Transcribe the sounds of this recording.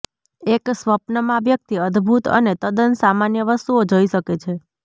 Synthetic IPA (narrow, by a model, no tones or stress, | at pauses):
eksʋəpnəmãʋjək̚t̪iəd̪ʱbʱut̪ə̰net̪əd̪ənsamanjəʋəst̪uod͡ʒoiʃəket͡ʃʰe